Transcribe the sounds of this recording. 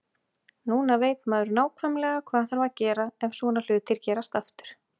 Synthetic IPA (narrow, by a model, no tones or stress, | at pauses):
nuːnaveːjt̪maðɾʏnaːwkʰvajmlɛːɣakʰvaːðθaɾvaðcɛːɾaɛvsɔːnal̥ʏːt̪ʰːɪlcɛːɾast̪aft̪ʏ̥ɾ̥